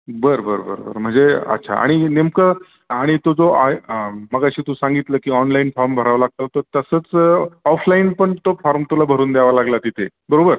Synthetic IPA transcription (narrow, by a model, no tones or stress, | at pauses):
bəɾbəɾbə̰ɾbə̰ɾm̤əɳd͡zeə̰tːɕʰa̰a̰ɽ̃inemkə | aɽ̃it̪od͡zoʔaməɡəɕiːt̪usãŋɡit̪ləːkiːɔnlainfɔɾmbʱəɾaʋlaɡ̚t̪ət̪əɾt̪əsəːt͡sɔfʰlainpəɳt̪ofɔɾmt̪ulabʱəɾuːnd̪jaʋalaɡlat̪it̪ʰe | bəɾobəɾ